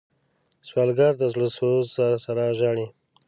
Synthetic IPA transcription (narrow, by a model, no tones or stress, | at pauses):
swɑlɡɑɾd̪əzlosozasaɾaʒɑɳi